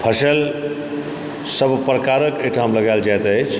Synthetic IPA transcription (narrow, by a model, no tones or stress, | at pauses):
pʰəsəl | səbpɾəkaɾəkeʈʰamləɡald͡ʒat̪ət͡ʃʰ